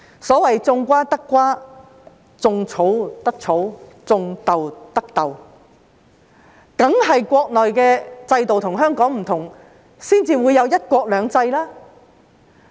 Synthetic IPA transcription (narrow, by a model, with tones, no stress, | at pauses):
sɔː˨˥wɐ˨jt͡sʊ˧ŋkʷaː˥t̪ɐ˥kːʷaː˥ | t͡sʊ˧ŋt͡sʰo˨˥wt̪ɐ˥k̚t͡sʰo˨˥wt͡sʊ˧ŋt̪ɐ˨wt̪ɐ˥k̚t̪ɐ˨w | kɐ˨˥ŋɦɐ˨jkʷɔː˧k̚lɔː˨jkɛː˧t͡sɐ˧jt̪o˨wt̪ʰʊ˨˩ŋɦœː˥ŋkɔː˨˥ŋm̩˨˩t̪ʰʊ˨˩ŋ | siː˥nt͡siː˧wuː˨˧jɐ˨˧wjɐ˥t̚kʷɔː˧k̚lœː˨˧ŋt͡sɐ˧jlaː˥